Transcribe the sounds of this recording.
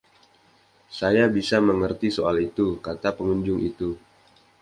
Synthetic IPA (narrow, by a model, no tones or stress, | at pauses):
sajabisaməŋərt̪isoalit̪ukat̪apəŋuɲd͡ʒʊŋḭt̪u